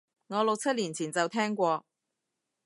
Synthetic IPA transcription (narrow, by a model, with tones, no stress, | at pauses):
ŋɔː˨˧lʊ˨k̚t͡sʰɐ˥t̚liː˨˩nt͡sʰiː˨˩nt͡sɐ˨wt̪ʰɛː˥ŋkʷɔː˧